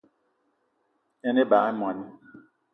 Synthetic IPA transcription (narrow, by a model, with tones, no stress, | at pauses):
ɛ˦ne˦ba˨˦m˨ã˨ni˦